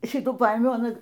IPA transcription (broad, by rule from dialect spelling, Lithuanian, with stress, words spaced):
ˈʃʲɪtuː ˈpɐeːmʲɛʊ ɐˈnɐ